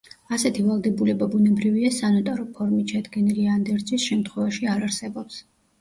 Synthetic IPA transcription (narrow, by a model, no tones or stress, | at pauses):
asɛt̪ʰivalˠd̪ɛbulɛbabunɛbɾiviasanɔt̪ʼaɾɔpʰɔɾmit̪ʃʰad̪ɡɛniliand̪ɛɾd̪zisʃɛmt̪ʰχwɛvaʃiaɾaɾsɛbɔps